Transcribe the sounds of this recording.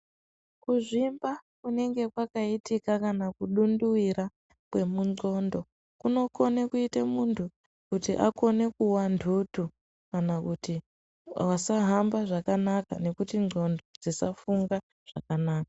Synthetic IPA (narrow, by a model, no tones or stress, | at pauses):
kuʐimbakune̞ŋɡe̞kwakaitikakanakuɗunduwiɾa | kwe̞muŋ͡ǀo̞ndo̞ | kuno̞ko̞nekuitamuntʰu | kutiʔa̰ko̞ne̞kuwandʰʱutu | kanakuti | wasaɦambaʐakanaka̰ne̞kutio̞ndo̞d͡zisafuŋɡa | ʐ̥a̰kanaːka